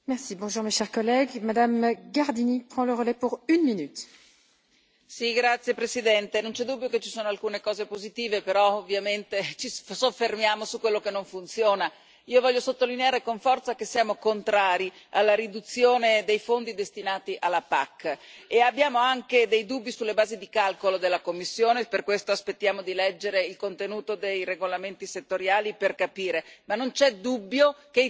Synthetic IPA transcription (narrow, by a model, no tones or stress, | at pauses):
mɛʁsibɔ̃ʒuːʁmeʃɛʁkɔlːɛɡmad̪amɡaʁd̪inipχɑ̃ləʁəlɛpuʁynminyt̪ | siɡɾat̪sjepɾesid̪ɛnt̪enɔ̃nt͡ʃɛd̪ubːjoket͡ʃi̥soːnoalkuːnekɔːzepozit̪iːvepeɾɔovjament̪et͡ʃissofːermjaːmosukwelːokenːõɱfunt̪sjoːna | iːovɔʎːosot̪ːolineaːɾekoɱfɔrt̪sakesijaːmokont̪ɾaːɾialːaɾid̪ut̪sːjoːned̪ejfond̪id̪est̪inaːt̪iʔalːapa̰kːeabːjaːmoaŋked̪ejd̪ubːisulːebaːzid̪ikalkolod̪elːakomːisːjoːneperkwest̪oaspet̪ːjaːmod̪ilɛd͡ʒːeɾeilkont̪enuːt̪od̪ejreɡolament̪iset̪ːoɾjaːliperkapiːɾemanːont͡ʃɛd̪ubːjoke